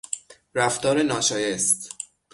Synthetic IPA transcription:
ɾæft̪ɒːɾenɒːʃɒːjest̪

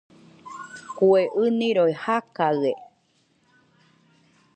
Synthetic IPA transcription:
kueʔɨnĩɾoihakae

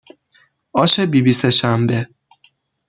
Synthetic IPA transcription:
ɒːʃe̞biːbiːseʃæmbe

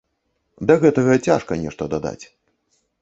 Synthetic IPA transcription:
d̪ɐɣɛt̪ɐɣɐt͡sʲa̰ʂkɐnʲɛ̰ʂt̪ɐd̪ad̪a̰t͡sʲ

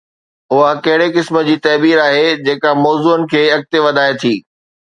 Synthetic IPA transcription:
ʊɦakɐɦɪɽekɪsmə̆d͡ʑiːt̪ɐːbiːɾaːɦed͡ʑeːkamɔːzuːənɪ̆kʰeːɐk̚t̪eʋɐd̪ʱaːet̪ʰiː

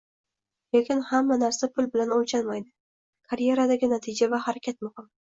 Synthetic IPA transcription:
lekʲɪnhamːanaɾsapʰʊlbɪlanolt͡ʃʰalmajd̪ɪ | kʰaɾje̞ɾad̪aɡʲɪnat̪ʰɪd͡ʒavahaɾakʲʰat̪̚mʊhɪm

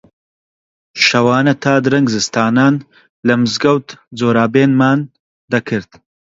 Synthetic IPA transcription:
ʃɐwaːnɐt̪ʰaːd̪ɨɾɐŋɡzɨst̪aːnaːn | lɐmɨzɡɐwt̪d͡zoːɾaːbeːnmaːn | d̪ɐkʰɨɾt̪

